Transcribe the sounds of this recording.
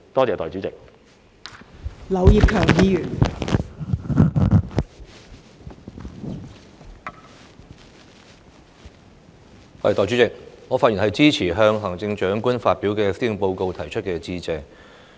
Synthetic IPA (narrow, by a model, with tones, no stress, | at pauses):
t̪ɔː˥t͡sɛː˨t̪ɔː˨jt͡ʃyː˨˥t͡sɪ˨k̚ | lɐ˨˧wji˨p̚kʰœː˨˩ŋjiː˨˧jy˨˩n | ɔ˧˥ɐ̰˨˩t̪ɔː˨jt͡ʃy˨˥t͡sɪ˨˩k̚ŋɔː˨˧faː˧ji˨˩nhɐ˨jt͡siː˥t͡sʰiː˨˩ɦœː˧ŋɦɐ˨˩ŋt͡sɪ˧ŋt͡ʃœː˨˥ŋkʷu˥nfaː˧t̚piː˨˥wkɛː˧siː˥jʊ˨˩ŋpo˧wko˧wt̪ʰɐ˨˩jt͡ʃʰɵ˥t̚kɛː˧t͡siː˧t͡sɛː˨˧